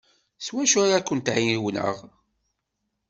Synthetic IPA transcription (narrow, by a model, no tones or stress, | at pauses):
swæʃʊɾakʷːənt̪ʕiniwnə̰ʁ